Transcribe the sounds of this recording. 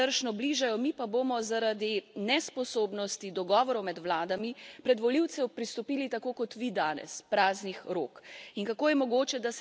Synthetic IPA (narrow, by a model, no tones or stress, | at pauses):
əɾʃnɔbliʒajɔmipabomɔzaɾad̪inɛspɔsoːbnɔst̪id̪ɔɡɔːʋɔɾɔwmɛd̪ʋlaːd̪amipɾɛd̪ʋɔliwt̪sɛwpɾist̪ɔpiːlit̪akoːkɔt̪ʋid̪aːnɛ̰spɾaːznixɾoːkinkakoːjɛmɔɡoːt͡ʃɛd̪as